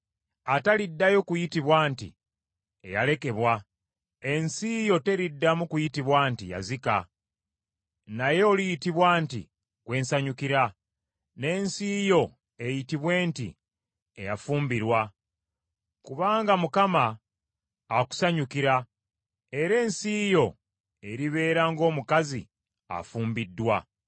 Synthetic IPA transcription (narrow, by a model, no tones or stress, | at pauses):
atalidːajo̞kujitiβwaːntḭ | ḛja̰le̞ke̞βwa | e̞nsijo̞te̞ɾidːamukujitiβwaːntḭja̰zika̰ | naje̞olijitiβwaːntḭ | kwe̞ːnsaɲukiɾa | ne̞ːnsijo̞ | e̞jitiβwe̞ːntḭ | e̞jafuːmbiɾwa | kuβaːŋɡamukamaː | ku̥saɲukiɾa | e̞ɾe̞ːnsijo̞ | e̞ɾiβe̞ːɾaːŋɡo̞ːmukazḭ | a̰fuːmbidːwa